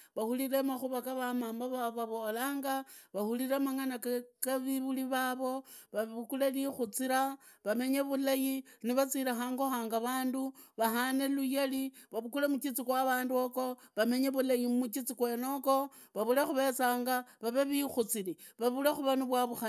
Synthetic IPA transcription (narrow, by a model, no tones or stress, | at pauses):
βahuliɾe̞maxuβakaβamaːmbaβaβaβo̞laːŋɡaβahuliɾemaŋanakakaβiβuliβaβo̞βaukulelixut͡siɾa | βame̞ɲe̞βulajiniβat͡siɾaxaːŋɡo̞xaːŋɡaβaːnduβahane̞lujeliβaβukulemut͡ʃit͡sikwaβaːnduoko̞ | βame̞ɲe̞βulajimmut͡ʃit͡sikwe̞no̞ko̞ | βaβulexuβe̞t͡saːŋɡaβaβeβixut͡sili | βaβulexuβaniβwaβuxa